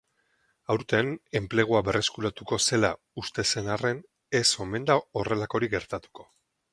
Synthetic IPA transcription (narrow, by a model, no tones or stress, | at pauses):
awɾt̪ene̞mple̞ɣ̞uabe̞rʔe̞skuɾat̪uko̞se̞la | ust̪e̞se̞nare̞n | e̞so̞me̞nd̪ao̞re̞lako̞ɾiɡe̞ɾt̪at̪u̥ko̞̥